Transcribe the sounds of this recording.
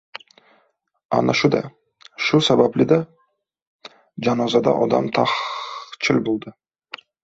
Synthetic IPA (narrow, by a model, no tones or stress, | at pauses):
a̰naʃʊd̪a̰ | ʃʊsabablɪd̪a | d͡ʒanɒzad̪a̰ʔɒd̪a̰mt̪ʰaχt͡ʃʰɪlbolˠd̪ɪ